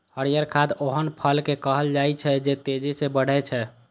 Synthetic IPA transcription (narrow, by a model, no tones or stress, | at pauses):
həɾijəɾkʰad̪oɦənpʰəlkekəɦəld͡ʒajt͡ʃʰɛd͡ʒet̪ed͡ʒisebəɽ̤ɛt͡ʃʰɛ